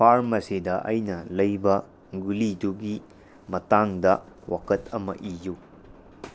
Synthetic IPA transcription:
pʰaɾmɐsedɐʔɐjnɐlɐjbɐ | ɡuliduɡi | mɐtaŋdɐ | wa̰kɐtɐmɐ̰ʔiju

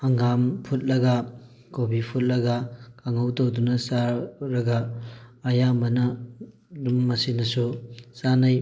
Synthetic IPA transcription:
ɐŋɡampʰut̚lɐɡa | kobipʰut̚lɐɡɐkʰaŋawtowdunɐsaɾɐɡaː | jambɐnɐ | dumːɐsinɐsusanaj

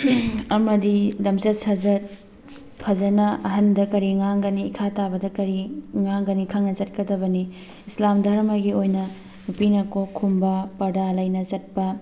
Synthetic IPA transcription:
ɐmɐdidɐmsɐt̚sɐd͡ʒɐt̚ | pʰɐd͡ʒɐnɐɐɦɐndɐkɐɾiŋaŋɡɐniːkʰatabɐdɐkɐɾiŋaŋɡɐnikʰaŋnɐt͡ʃɐt̚kɐdɐbɐni | islamdʱɐɾmɐɡiojnɐ | nupinɐkokʰumbɐpɐɾdalɐjnɐt͡ʃɐt̚pɐ

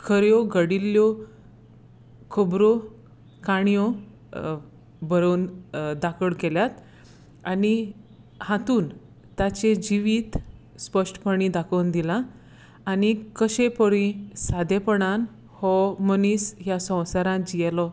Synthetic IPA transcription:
kʰəɾjɔɡəɽilːjɔ | kʰəbɾo | kaɳ̃ijɔ | bəɾond̪akəɭkeljat̪ | ani | hãt̪uːn | t̪at͡ɕẽd͡ʑiʋiːt̪ | spəʂʈə̥pəɽ̃id̪akənd̪ilãː | nikəɕepəɽĩsad̪ʱepəɽan | hɔməniːsjasə̃w̃saɾãd͡ʑijɛlɔ

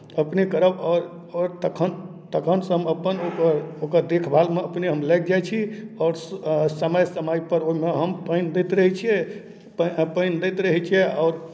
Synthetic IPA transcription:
əpnikəɾəbɔɾ | ɔɾt̪əkʰən | t̪əkʰənsɦəməpːənokəɾokəɾd̪ekʰbʱalmeəpniɦəmlək̚ʰd͡ʒajt͡ʃʰiɔːɾsəməjsəməjpəɾoɦimeɦəmpənd̪ɛt̪ɾəɦit͡ʃʰiɛ | ppəjnd̪ɛjt̪ɾəɦit͡ʃʰiɛɔʊɾ

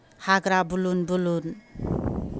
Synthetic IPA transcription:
haɡɾabulunbulun

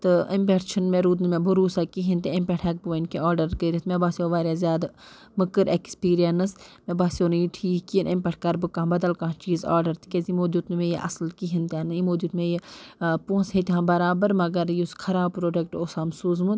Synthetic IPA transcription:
t̪ɨimpʲeʈt͡ʃʰɐnmeɾuːd̪nɨmẽbuɾuːsaːkiɦint̪eempʲeʈʰɛk̚buʋnkeaːɾɖɐɾkəɾʲit̪mʲebaːsʲoʋaːɾʲjaːzjaːd̪ | mɨkɨɾʔekspiːɾijɐnɨsmẽbaːsonɨjiʈʰiːkijənʔempʲeʈʰkɐɾbɨkãːbɐd̪ɐlkãːt͡ʃiːza̰ːɾɖɐɾt̪i̥kʲezimoːd̪ʲut̪nmẽjiʔɐ̰sɨlkiɦint̪ʲaːnɨimoːd̪ʲjut̪mẽjipuːnsɦet̪ʲiɦãːbɐɾaːbɐɾmɐɡɐɾjuskʰɐɾaːb̚pɾoːɖekʈoːsamsuːzmu

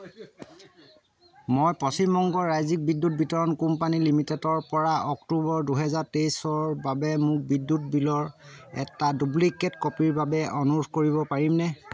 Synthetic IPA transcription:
mojpɔsimːɔŋɡɔɹajzik̚bidːut̚bitɔɹɔnkumpanilimitɛtɔɹpɔɹaɔktubɔɹduɦɛzaɹtejsɔɹbabɛmʊk̚bidːut̚bilɔɹɛ̰tadublikːɛtkɔpiɹbabɛʔɔnuubʰʱkoɹiβɔpaɹimnɛ

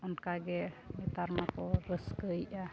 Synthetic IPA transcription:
ɔnkaɡɛbit̪aɾmakɔɾəsɡəjʔa

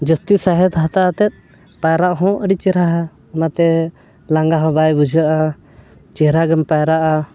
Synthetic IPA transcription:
d͡ʒəst̪isaɦɛt̪ɦat̪aʔat̪ɛt̪̚ˀ | pajɾaʔɦɔ̃ʔəɖit͡ʃɛɾaɦɛ | ɔnat̪ɛ | laŋɡaɦɔ̃bajbud͡ʒəʔa | t͡ʃɛɾaɡɛmpajɾaʔa

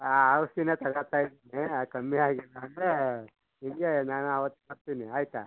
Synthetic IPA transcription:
aːʋɐst̪ineːt̪ɐɡɐɭt̪aːjid̪iniakɐmːiaːɡilːaɐnd̪ɾe | ɦiŋɡenaːnuɐʋɐt̪ːukɐɾt̪iniaːjit̪a̰

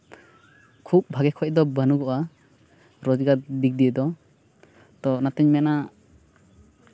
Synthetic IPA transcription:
kʰup̚bʱaɡɛkʰɔc̚d̪ɔbənuɡɔʔa | ɾɔd͡ʒɡad̪ik̚d̪ijɛd̪ɔ | t̪ɔnat̪ɛɲmɛna

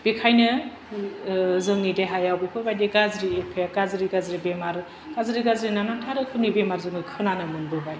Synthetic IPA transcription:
b̥ikʰajnɯ | zɯŋnideɦajawbipʰɯbajdeɡazɾiepʰeaɡazɾiɡazɾibemaɾ | ɡ̥azɾiɡazɾinanantʰaɾɯkʰɯnibemaɾzɯŋɯkʰɯnanɯmɯnbɯbaj

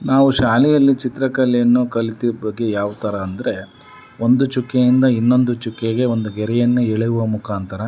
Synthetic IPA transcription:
naːʋuʃaːlɛjɐlːit͡ʃit̪ɾɐkɐljɐnːukɐlit̪iɾbɐɡːe̞jaːʋut̪ɐɾɐːnd̪ɐɾe̞ | o̞nd̪ut͡ʃukːejind̪ɐinːo̞nd̪ut͡ʃukːeɡe̞o̞nd̪uɡɛɾɛjɐnːueɭɛjuʋɐmukaːnt̪ʰɐɾɐ

